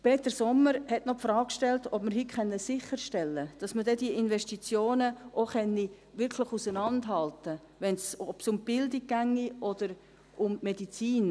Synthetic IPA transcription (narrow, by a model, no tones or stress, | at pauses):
peːtəɾsɔmːəɾhɛtnɔpfrɾɑːkkʃtɛltɔbməɾɦikχɛnːəsɪχəɾʃtɛlːəd̥ɑsmədɛdiəɪnʋɛʃtit͡sjoːnəʔoχɛnːi | ʋɪɾkʰlɪχusənɑndɦɑltə | ʋɛnsɔb̥sʊmb̥ɪldiɡ̚ɡæŋːiʔɔd̥əɾ | ʔʊmmedit͡siːn